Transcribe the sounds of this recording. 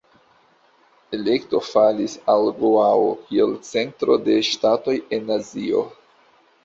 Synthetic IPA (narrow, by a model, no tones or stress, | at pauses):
e̞le̞kto̞falisalɡoaokʰie̞lt͡se̞ntɾo̞de̞ʃtato̞je̞nazio̞̰